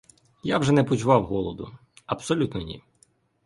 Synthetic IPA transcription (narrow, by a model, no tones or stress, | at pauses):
jawʒɛnɛpɔt͡ʃʊʋɑwɦɔlˠɔd̪ʊ̰ | ɐpsɔlʲut̪nɔnʲḭ